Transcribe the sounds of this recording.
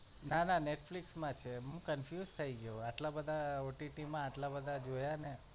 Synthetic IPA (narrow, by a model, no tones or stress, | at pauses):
nananeʈfliksmãt͡ʃʰeɦũkənfjuzt̪ʰəiɡəjoaʈlabəd̪ʱaoʈiʈimãːʈlabəd̪ʱad͡ʒojane